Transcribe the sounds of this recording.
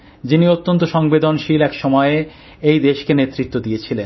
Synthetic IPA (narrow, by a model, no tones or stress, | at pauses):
d͡ʑiniot̪ːont̪oʃɔŋbed̪onʃilɛkʃɔmɔee | ejd̪eʃkenet̪ːɾit̪ːod̪ijet͡ɕʰilen